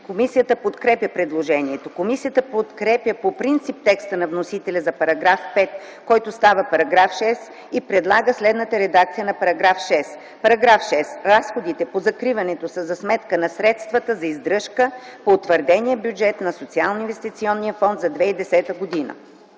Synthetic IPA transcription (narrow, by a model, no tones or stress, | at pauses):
komisijət̪əpot̪kɾɛpʲjəpɾɛd̪lˠoʒɛniɛt̪okomisijət̪əpot̪kɾɛpjəpopɾint̪sip̚t̪ɛkst̪ənɐvnosit̪ɛlʲɛzɐpɐɾɐɡɾafpɛt̪ | kɔjt̪ost̪avəpɐɾɐɡɾafʃɛs | ipɾɛd̪lˠaɡəslɛd̪nət̪əɾɛd̪ak̚t̪sijənɐpɐɾɐɡɾafʃɛs | pɐɾɐɡɾafʃɛsɾasxod̪it̪ɛpozɐkɾivɐnɛt̪osəzɐsmɛt̪kənɐsɾɛt̪st̪vət̪əzɐizd̪ɾɤʃkəpoːt̪vəɾd̪ɛniɛbjud͡ʒɛt̪nɐsot̪sialˠnoinvɛst̪it̪siɔnːijəfɔnd̪zɐd̪vɛid̪ɛsɛt̪əɡod̪inə̰